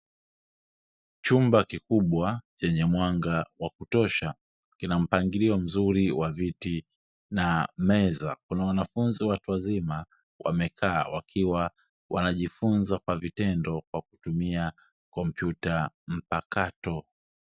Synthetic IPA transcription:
t͡ʃumbakikuɓwat͡ʃɛɲɛmwaŋɡawakutɔʃa | kinam̩paŋɡiliɔm̩zuɾiwaviti | namɛza̰kunawanafunziwatuwazima | wʔa̰mɛkʰaːwa̰kʰiwa | wʔa̰naʄifunzakwavitɛndɔkwaku̥tumia | kɔm̩pjuta | m̩pakatɔ

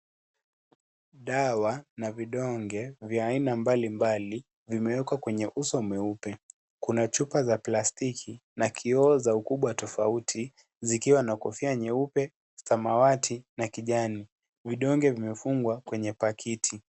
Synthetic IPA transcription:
ɗawanaviɗɔŋɡɛvjaːinambalimbali | vimɛwɛkwakwɛɲɛʔusɔmɛupɛ | kunat͡ʃupazaplastikʰinakʰiɔzaukuɓwatɔfautʰi | zikiwanakɔfiaɲɛupɛ | samawatʰinakiʄani | viɗɔŋɡɛvimɛfuŋɡwakwɛɲɛpakʰitʰi

